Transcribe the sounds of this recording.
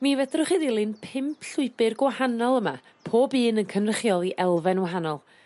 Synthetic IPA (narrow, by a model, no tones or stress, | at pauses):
mivɛdrʊχiðilˠɨnpʰɪmpʰɬʊɨbɪrɡwahanɔlˠəma̰ | pʰoːbɨːnənkʰənrəχjɔlˠiʔɛlˠvɛnwaɦanɔlˠ